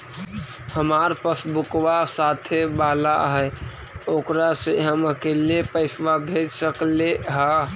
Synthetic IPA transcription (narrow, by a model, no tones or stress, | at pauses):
həmaɾpəsbukʋasat̪ʰebala̰ɦɛ | okɾaseɦəməkelepəɪsʋabʱed͡ʒsəkleɦə